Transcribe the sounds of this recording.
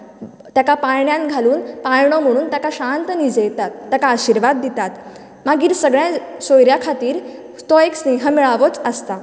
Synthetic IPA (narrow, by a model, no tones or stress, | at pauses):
t̪jakapajɳjãnɡʱaluːnpajɳom̤əɽ̃uːnt̪jakaɕant̪nid͡zejt̪at̪ːjakaːɕiɾʋad̪ːit̪at̪ | maɡiːɾsəɡɭjãsojɾjakʰat̪iːɾ | t̪ɔeksneɦəmiɭaʋot͡səst̪a